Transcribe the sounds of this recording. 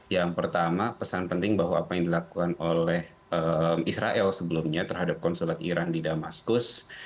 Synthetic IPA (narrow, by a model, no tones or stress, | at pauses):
jaŋpərt̪amapəsanpənt̪ɪŋbaɦwaːpajaŋdilakukanolɛh | ʔəmisɾaʔɛlsəbəlumɲat̪ərɦadap̚kɔnsulat̪ḭɾandidamaskʊs